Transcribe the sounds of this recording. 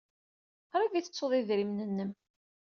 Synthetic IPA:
ɾˤiviθə̥t͡sːoðˤiðɾimnənːəm

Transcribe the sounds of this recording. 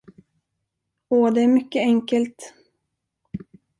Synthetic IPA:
oːd̪ɛæɾmʏkːəɛŋkəlt̪

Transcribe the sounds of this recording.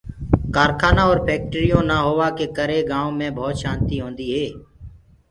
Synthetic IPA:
kaːɾkʰaːnãːɔːɾpʰeːk̚ʈːɾijõːnaːɦoːʋaːkeːkəɾeːɡãːõːmẽːbʱɔːt̪ʃãːnt̪iːɦõːnd̪iːɦeː

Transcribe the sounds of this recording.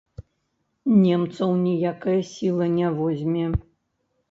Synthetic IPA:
nʲɛmt̪sɐwnʲijakɐjɐsʲilˠɐnʲavɔzʲmʲɛ

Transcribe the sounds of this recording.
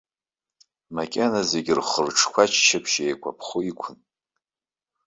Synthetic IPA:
makʲʼenazeɡʲɪrχərʈ͡ʂʰkʷʰat͡ʃʰt͡ʃʰapʰʃejkʷʰa̰pʰχuikʷʰʊn

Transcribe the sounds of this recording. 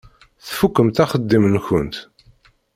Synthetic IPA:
θfukːəmt̪æχəd̪ːimənçə̰nt̪

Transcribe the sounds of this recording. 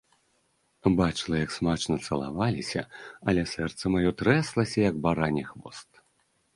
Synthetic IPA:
bat͡ʂlˠɐjɐksmat͡ʂnɐt̪sɐlˠa̰valʲisʲɐ̰ɐlʲɛsɛrt̪sɐmajɔt̪ɾɛslˠɐsʲɐjɐɡbaɾanʲixvɔ̰st̪

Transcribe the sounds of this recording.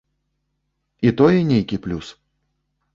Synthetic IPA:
it̪ɔjɛnʲejkʲiplʲus

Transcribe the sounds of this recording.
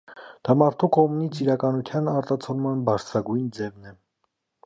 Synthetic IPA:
d̪̥ɑmɑɾt̪ʰukɔmunit͡sʰiɾɑkɑnut̪ʰjɑnɑɾt̪ɑt͡sʰɔlmɑnbɑɾt͡sʰɾɑɡujnd͡zɛvnɛ

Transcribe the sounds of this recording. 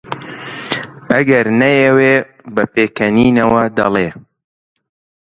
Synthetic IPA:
ɐɡɐɾnɐjeweː | bɐpeːkɐniːnɐwɐd̪ɐ̰leː

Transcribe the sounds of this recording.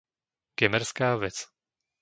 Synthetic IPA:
ɡ̥ɛmɛɾskaːʋɛt͡s

